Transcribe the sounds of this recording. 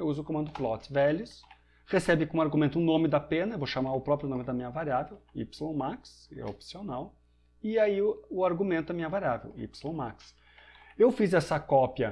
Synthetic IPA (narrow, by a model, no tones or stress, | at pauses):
ewuzʊkomɐ̃nd̪ʊflɔt̪vɛlʊs | hesɛbɪkõaɾɡumẽnt̪ʊʊ̃nõmɪd̪ɐpẽnɐewvoʃamaɾʊpɾɔpɾjʊnõmɪd̪ɐmĩɲɐvaɾiavewḭpsɪlõw̃maks | ɛ̰opsionaw | ɪaiʊaɾɡumẽnt̪ʊɐmĩɲɐvaɾiavḛwḭpsɪlõw̃maks | ewfizɛsɐkɔpiɐ